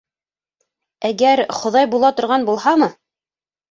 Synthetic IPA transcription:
æɡæɾχŏðɑjbulˠɑt̪ŏɾʁɑnbulˠhɑmɤ

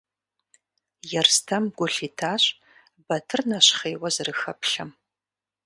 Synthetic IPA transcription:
jɛrstʰɐmɡʷʊɬiːtʰaːɕ | bɐtʰɨrnɐɕχeːwɐzɨrɨxɐpɬɐm

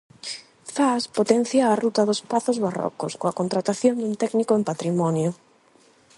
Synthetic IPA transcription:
faspot̪ɛn̟θjaːrut̪ɐðospaθʊzβarɔ̰kʊskoakont̪ɾat̪aθjond̪unt̪ɛknikʊempat̪ɾimɔnjʊ

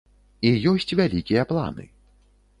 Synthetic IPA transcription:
ijɔsʲt͡sʲvʲalʲikʲijɐplˠa̰nɨ̰

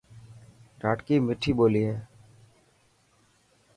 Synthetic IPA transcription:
ɾaːʈkiːmɪʈʰːiːboːliːɦɛ̃ː

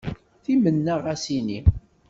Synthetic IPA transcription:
θimənːaʁæsini

